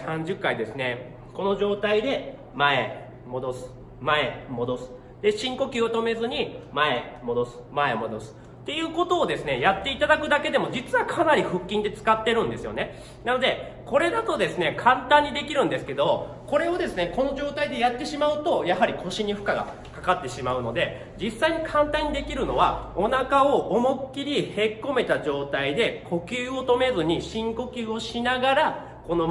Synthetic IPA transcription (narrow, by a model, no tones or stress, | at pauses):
sãɲ̟d͡ʑɨkːaid̪e̞sɨne̞ | ko̞no̞ʑo̞ːt̪aid̪e̞ | mae̞ | mo̞d̪o̞sɨ̥ | mae̞mo̞d̪o̞sɨ̥ | d̪̥e̞ɕĩŋko̞kʲiːot̪o̞me̞zɨɲ̟imae̞mo̞d̪o̞sɨ̥mae̞mo̞d̪o̞sɨ̥ | t̪ːe̞jɯ̟ːko̞t̪o̞ːd̪e̞sɨne̞jat̪ːe̞it̪ad̪akɯ̟d̪ake̞d̪e̞mo̞d͡ʑit͡sɨβakʰanaɾʲiɸɯ̟kʲːĩnd̪e̞t͡sɨ̥kat̪ːe̞ɾɯ̟̃nd̪e̞sɨjo̞̰ne̞ | nano̞d̪e̞ | ko̞ɾe̞d̪at̪o̞d̪e̞sɨne̞kʰãnt̪ãɲ̟ːid̪e̞kʲiɾɯ̟̃nd̪e̞sɨ̥ke̞d̪o̞ | ko̞ɾe̞o̞d̪e̞sɨne̞ko̞no̞ʑo̞ːt̪aid̪e̞jat̪ːe̞ɕimaɯ̟t̪o̞jaɦaɾʲikʰo̞ɕiɲ̟iɸɯ̟̥kaɡa̰ | kakat̪ːe̞ɕimaɯ̟no̞d̪e̞ | d͡ʑisːaiɲ̟ikʰãnt̪ãɲ̟ːid̪e̞kʲiɾɯ̟no̞β̞ao̞nakao̞ʔomokʲːiɾʲihe̞kːo̞me̞t̪aʑo̞ːt̪aid̪e̞kʰo̞kʲɨːo̞t̪o̞me̞zɨɲ̟iɕĩŋko̞kʲɨːo̞ɕinaɡaɾa | ko̞no